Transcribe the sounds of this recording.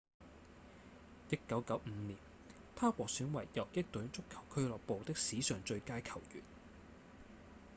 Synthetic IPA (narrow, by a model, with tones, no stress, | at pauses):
jɐ˥t̚kːɐ˨˥wkɐ˨˥wm̩˨˧niː˨˩n | t̪ʰaː˥kʷwɔː˨k̚syː˨˥nwɐ˨˩jjɐ˨˩wkɪ˥k̚t̪ɵ˨˥nt͡sʊ˥kʰːɐ˨˩wkʰɵ˥lɔː˨k̚po˨wt̪ɪ˥k̚siː˨˥sœː˨˩ŋt͡ʃɵ˧ɥkaː˥jkʰɐ˨˩wjy̰ː˨˩n